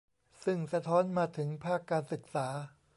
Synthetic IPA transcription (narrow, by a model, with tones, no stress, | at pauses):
sɯ˥˩ŋsa˧t̪ʰɔː˦˥nmaː˧t̪ʰɯ˩˦ŋpʰaː˥˩kːaː˧nsɯ˨˩k̚saː˩˦